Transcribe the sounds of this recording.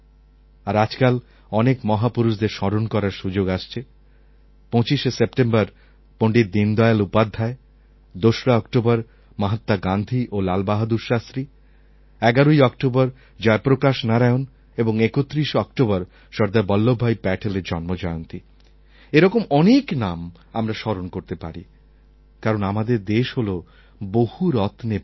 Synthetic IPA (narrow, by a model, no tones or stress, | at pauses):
aɾad͡ʑkal | ɔnekmɔɦapuɾuʃd̪eɾʃɔɾonkɔɾaɾʃud͡ʑoɡaʃt͡ɕʰe | pɔ̃t͡ɕiʃesepʈembaɾ | poɳɖiɾd̪ind̪ɔealupad̪ʱːae | d̪oʃɾaɔkʈobaɾ | maɦat̪ːaɡand̪ʱiʔolalbaɦad̪uɾʃast̪ɾi | ɛɡaɾoiɔk̚ʈobaɾ | d͡ʑɔepɾokaʃnaɾaeon | eboŋekot̪ːɾiʃɔk̚ʈobaɾ | ʃɔɾd̪abɔlːobʱajpɛʈʰeleɾd͡ʑɔnmod͡ʑɔeont̪i | eɾɔkomɔneknam | amɾaʃɔɾonkoɾt̪epa̰ɾḭ | kaɾonamad̪eɾd̪eʃɦolo | bohuɾɔt̪ne